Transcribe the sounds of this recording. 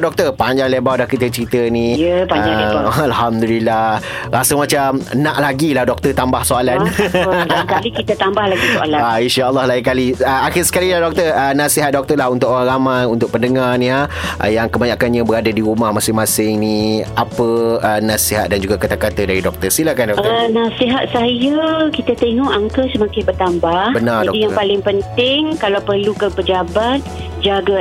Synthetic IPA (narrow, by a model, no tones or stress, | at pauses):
dɔk̚t̪ərpaɲd͡ʒaŋlebawdahkit̪ət͡ʃəɾit̪ənĩjəpad͡ʒaalhamd̪ulilːah | ɾasəmat͡ʃamnãʔlaɡilahdɔk̚t̪ərt̪ambahsoalan | kalikit̪at̪ambahlaɡioa̰laainʃaəlːɔhlaikaliəaxɪsə̥kalilahdɔk̚t̪ərənasiɦat̪̚dɔk̚t̪əlaɦunt̪ʊʔoɾaŋɾamajunt̪ʊk̚pəndəŋarnĩaʔjaŋkəbaɲakanɲabəɾadadiɾumahmasɪŋmãsɪŋniapəənasiɦat̪̚dand͡ʒuɡakat̪akat̪ədaɾidɔk̚t̪ərsilakandɔkənasiɦat̪̚sajəkit̪at̪eŋɔʔaŋkəsəmakɪnbərt̪ambahbənard͡ʒaɔdijaŋpalɪŋpənt̪ɪŋkalawpərlukəpəd͡ʒabat̪̚ | d͡ʒaɡa